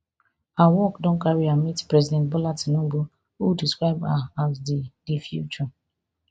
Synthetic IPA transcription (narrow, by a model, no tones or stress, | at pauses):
awɔkdɔ̃nkaɹiamitpɹɛzidɛ̃ntbɔlatinũbu | udiskɹaɪbaazdidifjṵt͡ʃɔ